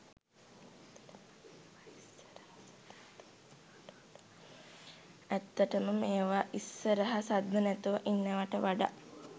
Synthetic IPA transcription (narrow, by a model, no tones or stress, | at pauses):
ɛt̪ːəʈəməmeːʋaʔisːəɾəɦɐsad̪nənɛt̪uʋəʔinːeʋaʈəʋaɖa̰